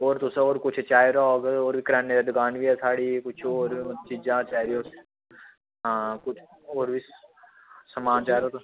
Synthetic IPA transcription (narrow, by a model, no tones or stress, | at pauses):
oːɾt̪ʊsoːɾkʊt͡ʃʰt͡ʃaːjɾoɡoːɾbʱikɾaːnːeɾed̪ʊɡaːnbiɛsaːɽikʊt͡ʃʰoːɾt͡ʃid͡ʒãːt͡ʃaːɾioːɾ | ɦãːkʊt͡ʃʰ | oːɾbʱi | sɐmaːnt͡ʃaːɾoːt̪